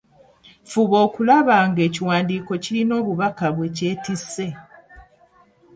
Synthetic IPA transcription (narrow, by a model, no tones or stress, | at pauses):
fuβo̞ːkulaβaːŋɡe̞ːciwaːndiːko̞cilino̞ːβuβakaβwe̞ːce̞ːtise̞